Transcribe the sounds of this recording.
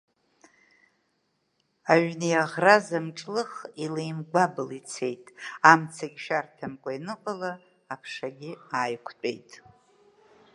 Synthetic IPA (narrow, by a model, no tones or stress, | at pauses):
aɥnijaʁrazamʈ͡ʂʼlɨχilejmɡʷabɨlit͡sʰe̞jtʼamt͡sʰaɡʲʃᶣartʰamkʷʼainɨqʷʼalaː | pʰʂaɡʲɪaːjkʷʰt͡pʼḛjtʼ